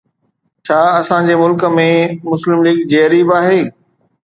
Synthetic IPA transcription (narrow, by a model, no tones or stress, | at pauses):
t͡ɕʰaːɐsãd͡ʑeːmʊlkəmẽmʊslɪmliːɡd͡ʑeːɾibaːɦeː